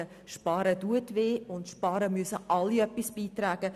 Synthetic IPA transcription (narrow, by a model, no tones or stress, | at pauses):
ə | ʃpɑːɾəduətveːʊntʃpɑːɾəmyəsəʔɑlːiœpisb̥iːtɾæːɡ̥ə